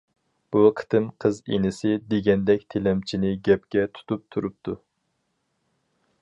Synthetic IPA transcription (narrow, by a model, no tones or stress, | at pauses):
b̥uqʰə̥t̪ʰɨmqʰəzḛnɪsɪd̪eɡʲɛnd̪ɛkʲt̪ʰelɛmt͡ʃʰinɪɡʲɛp̚kʲɛt̪ʰu̥t̪up̚t̪ʰuɾup̚t̪ʰu